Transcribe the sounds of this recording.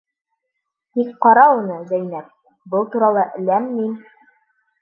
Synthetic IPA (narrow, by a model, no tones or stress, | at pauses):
t̪ikqɒɾɑunɤzæjnæp̚ | bɤlˠt̪uɾɑlˠɤʔɘ̆læmːin